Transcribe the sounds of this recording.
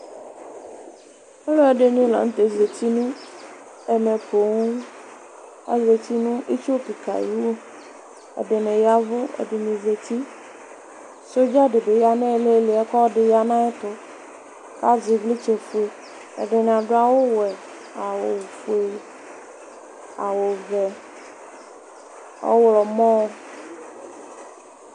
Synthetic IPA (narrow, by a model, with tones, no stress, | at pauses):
ɛ˦lo˦e˨ɖe˨n˦ĩ˦la̰˨ŋũ˦t̪e˨ze˨t̪i˦nũ˦ | ɛ˨nɛ̃˨po˨ŋũ˦ | a̰˦ze˨t̪i˦nũ˦ʔi˦t͡ʃo˦pi˨ka̰˨ji˦wo˦ | ḛ˨ɖe˨nɛ̃˨ja˦vo˦ḛ˨ɖe˨nĩ˨ze˨t̪i˦ | so˦d͡ʒa˦ɖe˨be˨ja˦nẽ˦le˦le˨˦a˦kɔ˦ɖɪ˨ja˦nã˦e˦t̪ʊ˨ | ka˦zi˨vlɪ˦t͡ʃe˨fu˨e˨ | ḛ˨ɖe˨ñ˨a˨ɖʊ˦a˦wo˦wɛ˨ | a˨wo̰˨wu˨fu˨e˨ | a̰˨wo˨vɛ˨ | o̰˦wlɔ˨mɔ̃˦w